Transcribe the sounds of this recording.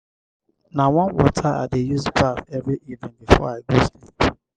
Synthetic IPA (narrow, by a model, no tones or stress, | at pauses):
nawɔ̃nwɔ̰tʰaa̰dejuzbaθɛvɹiʔivɪ̃nbifɔ̰aɪɡozli